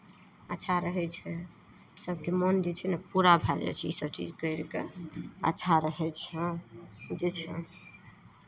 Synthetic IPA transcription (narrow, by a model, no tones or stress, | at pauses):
ətːʃʰaɾəɦɛt͡ʃʰɛ | səbkemənd͡ʒet͡ʃʰɛnəpuɾabʱad͡ʒa̰jt͡ʃʰiisəbt͡ʃḭd͡ʒkəɪɾkeə̰tːʃʰaɾəɦɛt͡ʃʰɛ̃ | d͡ʒet͡ʃʰɛ̰